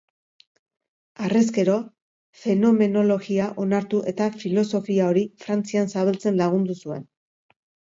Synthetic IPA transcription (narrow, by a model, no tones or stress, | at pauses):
ares̬ke̞ɾo̞ | fe̞no̞me̞no̞lo̞ɣiaʔo̞naɾt̪uʔe̞t̪afilo̞so̞fiao̞ɾifɾant͡siansaβelt͡se̞nlaɣ̞und̪usue̞̰n